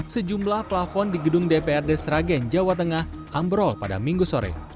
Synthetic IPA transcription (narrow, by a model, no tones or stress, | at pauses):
səd͡ʒumlahplafɔndiɡədʊŋdepeɛrdesɾaɡɛnd͡ʒawat̪əŋah | ʔambɾɔlpada̰miŋɡusoɾɛ̰